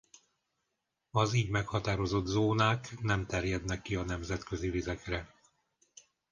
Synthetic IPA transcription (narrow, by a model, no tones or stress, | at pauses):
ɒziːɟmɛkhɒt̪aːɾo̞zo̞d̪zoːnaːknɛmt̪ɛrjɛd̪nɛkːiɒnɛmzɛt̪kø̞zivizɛkrɛ